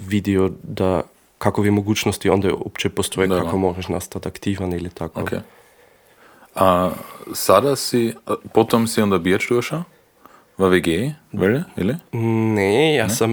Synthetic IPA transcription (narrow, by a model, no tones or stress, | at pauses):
vid̪iod̪a | kakovimoɡuːt͡ʃnost̪iond̪ɛo̰pt͡ʃɛpost̪ojɛkakomoʒɛʃnast̪at̪akt̪iʋanilit̪akookʰḛ | asad̪asipot̪omsiund̪ɐbiɐʃt̪uɐʃa | vaʋeɡeːʋɛlḭlinɛjasam